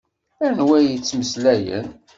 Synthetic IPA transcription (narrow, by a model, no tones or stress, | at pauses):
ænwæjit͡sːməslæjə̰n